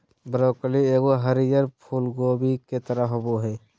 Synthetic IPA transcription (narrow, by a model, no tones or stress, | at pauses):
bəɾoːkəlieːɡoɦəɾijəɾpʰuːlɡoːbiket̪əɾaɦoboɦɛː